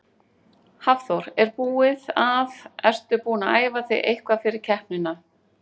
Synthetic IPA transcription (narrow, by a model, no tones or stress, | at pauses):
havθoɾɛɾpuːɪðavɛr̥t̪ʏpuːnaʔaːjvaθḛjʔejhkvafɪɾɪɾ̥cʰɛhpnʏna